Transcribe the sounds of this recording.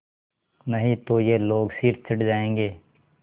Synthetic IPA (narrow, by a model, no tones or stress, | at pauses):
nɐɦĩt̪ojeloːɡsiːɾt̪̚t͡ʃʰɪʈd͡ʒaːẽːŋɡeː